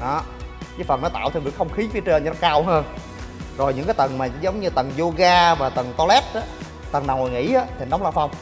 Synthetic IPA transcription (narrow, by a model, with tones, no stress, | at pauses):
ʔɔ˨˦ɲɨ˧˦fə˨˩nɔ˨˦t̪a̰ː˧˨wt̪ʰvḭ˨˧˩əkxə˧wŋ͡mxi˨˦fi˨˦t͡ɕəː˧ɲnɔ˨˦kaː˧wɦəː˧n | zo˨˩jɨ̰˧˥ŋkaː˨˦jt̪ə˨˩nmaː˨˩zə˨˦wŋ͡mɲɨ˧t̪ə˨˩nzo˧ɣaː˧vaː˨˩t̪ə˨˩nkɔ˧lɛ˦˥t̚ʔaː˨˦ | t̪ə˨˩na˨˩wŋo˨˩ŋḭ˧˥ʔaː˨˦t̪ʰi˨˩nɗɔ˨˦ŋ͡mlaː˧˩fa˧wŋ͡m